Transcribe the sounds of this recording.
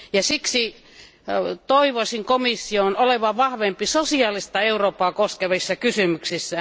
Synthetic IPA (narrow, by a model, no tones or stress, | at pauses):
jɑsiksi | t̪oiʋosʲiŋkomisːionoleʋɑʋɑhʋempisosiɑːlist̪ɑeuroːpɑːkoskeʋisːɑkysymyksisːæ